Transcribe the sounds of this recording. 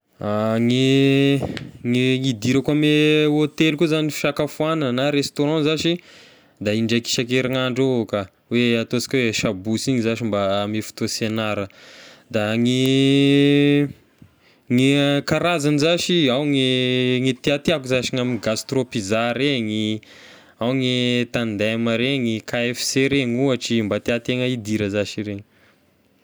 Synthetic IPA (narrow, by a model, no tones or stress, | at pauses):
aŋe | ŋiŋid̪iɾakameot̪elkuzanifi̥ʃakafuanənaɾest̪oɾɑ̃zaʃi | d̪aiɳɖ͡ʐaki̥ʃakeɾaŋaɳɖ͡ʐoka | weat̪osi̥kʲweʃabusiɲizaʃimbamefu̥t̪osenaɾəd̪aŋi | ŋikaɾazanizaʃiawŋiŋit̪eat̪iakuzaʃiŋaminɡast̪ropizaɾeŋi | awŋet̪and̪aməɾeŋikaefi̥seɾeŋuaʈ͡ʂimbat̪eat̪eŋəid̪iɾəzaʃiɾeɲi̥